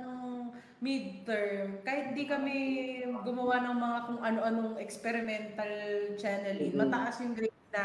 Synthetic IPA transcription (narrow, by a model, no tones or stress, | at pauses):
noŋ | mid̪̚t̪ɛɹmkahɪt̪̚hɪnd̪ikɐmɛɡʊmɐwanɐŋmɐŋakʊŋʔɐno̞ʔɐnoŋʔɛkspɛɾɪmɛnt̪ɐlt͡ʃanɛlinmɐt̪ɐŋʔasjʊŋɡɾɛ | d̪a